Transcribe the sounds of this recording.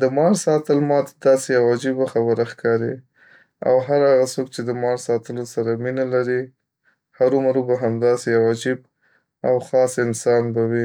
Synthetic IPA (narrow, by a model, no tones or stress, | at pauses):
d̪əmɑɾsɑt̪əlmɑt̪ad̪ɑsejawɑd͡ʒibaxabəɾaxkʰɑɾi | a̰wɦaɾaɣasok̚t͡ʃed̪əmɑɾsɑt̪əlosaɾaminalaɾi | haɾumaɾubaɦamd̪ɑsejawɑd͡ʒib̚ | awxɑsɪnsɑnbawi